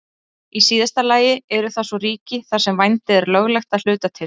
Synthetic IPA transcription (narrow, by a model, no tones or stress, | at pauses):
isiːðast̪alaːjɪɛɾʏθasɔriːcɪθḁsɛmvajnt̪ɪðɛɾlœɣlɛxt̪aðl̥ʏːt̪at̪ʰɪl